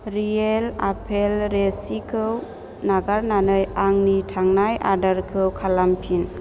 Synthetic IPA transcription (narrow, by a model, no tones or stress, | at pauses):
ɾiela̰pʰelɾesikʰɯw | naɡaɾnanɯjaŋnitʰaŋnajʔa̰daɾkʰɯwkʰalampʰin